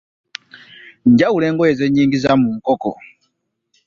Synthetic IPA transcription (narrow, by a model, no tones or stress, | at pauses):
ɲɟawuleːŋɡojezeɲiːŋɡizamuŋ̩koko̰